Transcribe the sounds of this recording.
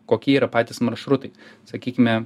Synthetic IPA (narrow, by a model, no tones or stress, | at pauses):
koːkʲiɛiːɾɐpɑːt̪ʲɪːsmɐɾʃɾʊt̪ɐɪsɐkʲiːkʲɪmʲɛ